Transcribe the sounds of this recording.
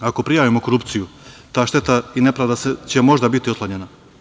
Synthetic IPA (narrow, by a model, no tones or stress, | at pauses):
ako̞pɾijaːʋimo̞ko̞ɾupt̪sijut̪aːʃt̪e̞t̪aine̞pɾad̪aset͡ɕe̞mo̞ʒd̪abit̪iot̪lˠaɲena